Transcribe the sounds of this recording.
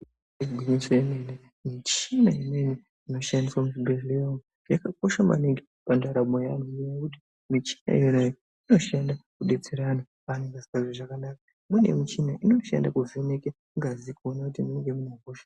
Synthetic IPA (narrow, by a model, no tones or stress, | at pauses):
eɡʱwiɲisoemene | mit͡ʃinaimene | ino̞ʃandiswamuzibereja | jakako̞ʃama̰neŋɡe | pandaɾamojanuɲijakuti̥ | mit͡ʃi̥na̰ḭjonajo | ino̞ʃandakuɗe̞t͡seɾana | aneŋɡasikaʐoʐakanaka | mune̞̰mit͡ʃinaʔino̞ʃa̰ndakuveneke | ŋɡazikuonakutimuneŋɡemunaɡoːʃḁ